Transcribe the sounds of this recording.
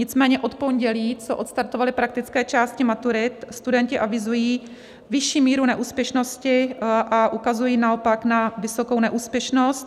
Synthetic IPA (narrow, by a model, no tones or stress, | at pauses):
ɲɪt͡smɛːɲɛʔo̞t̪po̞ɲɟɛliːt͡soʔo̞t̪st̪aɾt̪ovalɪpɾak̚t̪ɪt͡skɛːt͡ʃaːscɪmat̪uɾɪt̪st̪udɛncɪʔavɪzujiː | vɪʃiːmiːɾunɛʔuːspjɛʃnoscɪʔaʔukazujiːnaopaknavɪsoko̞wnɛʔuːspjɛʃno̞st̪̚